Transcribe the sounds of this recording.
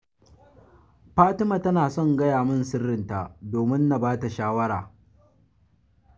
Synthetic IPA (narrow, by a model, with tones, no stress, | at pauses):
ɸaː˦tɪ˦ma˨tɐ˦naː˨sɔ˦˨ŋɡɐ˦jaː˨mɪ˦nsɪ˦rːɪ˨nta˨doː˨mɪ˦nːa˨baː˦ta˨ʃaː˦wɐ˦ɽaː˨